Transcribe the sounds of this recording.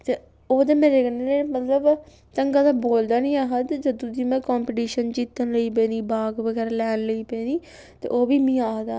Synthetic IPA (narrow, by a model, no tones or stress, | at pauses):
t̪eː | oːd̪eːmeːɾeːkəneneːmət̪ləb | t̪əŋɡaːd̪aːboːld̪aːnĩːaːɦəd̪d͡ʒəd̪ũːd̪iːmɛ̃ːkɔːmpiʈiːʃənd͡ʒiːt̪ənləiːp̬ẽːniːbaːɡʋəɡɛːɾlɛːnləiːpẽːniː | t̪ḛːʔoːbiːmĩːaːɦd̪a̰ː